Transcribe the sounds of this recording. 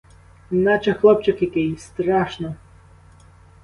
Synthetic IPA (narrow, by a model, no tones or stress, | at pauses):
nat͡ʃɐxlˠɔp̚t͡ʃɪkjɐkɪjst̪ɾaʃnɔ